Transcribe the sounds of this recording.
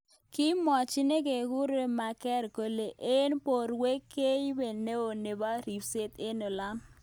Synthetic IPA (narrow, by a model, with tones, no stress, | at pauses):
kɪ˦mɔ˨t͡ʃɪ˦ne˦ke˨ɡu˦ɾe˦ma˨kɛ˦ɾko˨le˨ʔe˦npo˨ɾwe˦kːe˦i˦be˨ne˦o˨ne˨ba˦ɾi˨pse˦t̪e˦no˨la˦m